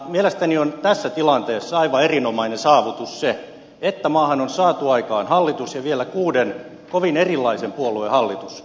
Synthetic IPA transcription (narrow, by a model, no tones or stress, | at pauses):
mielest̪æniont̪æsːæt̪ilɑnt̪eːsːɑɑiʋɑerinomɑinesɑːʋut̪usse | et̪ːæmɑːhɑnonsɑːt̪uɑikɑːnhɑlːit̪usjɑʋielækuːden | koʋinerilːɑisempuolːˑuehɑlːit̪us